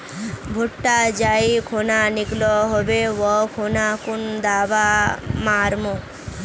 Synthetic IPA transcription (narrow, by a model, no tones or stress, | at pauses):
bʱuʈːad͡ʒajkʰonaniklɔɦɔbewɔkʰonakund̪abamaɾmo